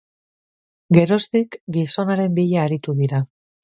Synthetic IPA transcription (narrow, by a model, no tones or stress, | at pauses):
ɡe̞ɾo̞st̪ikɡiso̞naɾe̞mbiʎaːɾit̪uðiɾa